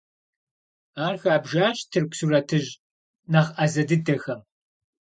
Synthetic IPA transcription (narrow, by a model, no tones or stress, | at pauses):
aːrxaːbʒaːɕtʰɨrkʷsurɐtʰɨʑ | naʁɐzɐdɨdɐxɐm